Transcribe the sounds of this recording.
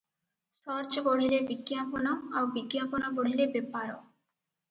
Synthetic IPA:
sɔɾt͡ʃkoɽ̤ilebiɡjaponaowbiɡjaponaboɽ̤ilebepːaɾo

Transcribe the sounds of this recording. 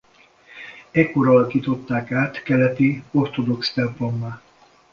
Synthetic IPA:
ɛkːo̞ɾɒɒlɒkiːt̪o̞t̪ːaːkaːt̪kɛlɛt̪io̞rt̪o̞d̪o̞kst̪ɛmplomːaː

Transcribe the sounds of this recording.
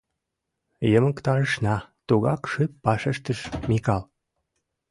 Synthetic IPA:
jəməkt̪ɑɾəʃnɑt̪uɣɑkʃypːɑʃəʃt̪əʃmikɑl

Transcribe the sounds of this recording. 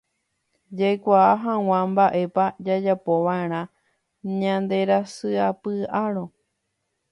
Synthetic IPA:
d͡ʒajkʷaːɦãw̃ãmbaʔe̞pad͡ʒad͡ʒapo̞ʋãeɾ̃ã | ɲãnd̪e̞ɾasɨapɨaɾõ̞

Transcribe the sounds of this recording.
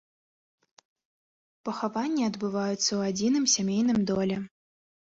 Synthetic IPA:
pɐxavanʲːiɐd̪bɨvajut̪sːɐwad͡zʲinɨmsʲamʲejnɨmd̪ɔlʲɛ

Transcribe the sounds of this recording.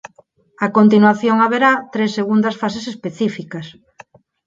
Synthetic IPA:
akont̪inwaθjoŋaβeɾat̪ɾesːeɣund̪ɐsfasesespeθifikɐs

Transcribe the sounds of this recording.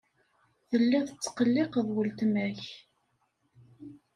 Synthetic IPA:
θəlːæθət͡sːqəlːeqðˤwəlt̪mæç

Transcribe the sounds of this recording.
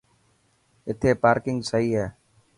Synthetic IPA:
ɪt̪ʰeːpaːɾkɪŋɡsəiːɦɛː

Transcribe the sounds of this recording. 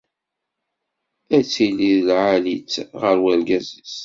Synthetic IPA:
æt͡sːiliðlʕalit͡sːʁəɾwælɡæzis

